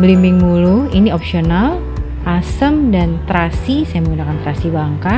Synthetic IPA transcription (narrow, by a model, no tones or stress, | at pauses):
blimbɪŋmuluiniɔpsional | ʔasəmdant̪ɾasisajaməŋɡunakant̪ɾasibaŋka